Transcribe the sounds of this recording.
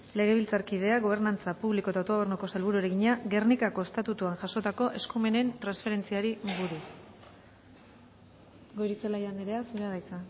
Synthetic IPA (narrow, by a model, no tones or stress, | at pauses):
le̞ɣ̞e̞β̞ilt͡saɾkið̞e̞aɣo̞β̞e̞ɾnant͡sapuβliko̞t̪aot̪o̞ernuko̞salβuɾueɾeɣiɲaɡe̞rnikako̞est̪at̪ut̪uaŋʝaʃo̞t̪ako̞ʔe̞skume̞ne̞nt̪ɾansfe̞ɾe̞nt͡siaɾiβuɾus | ɡo̞jɾit͡selajand̪iɾe̞asuɾaðajt͡sa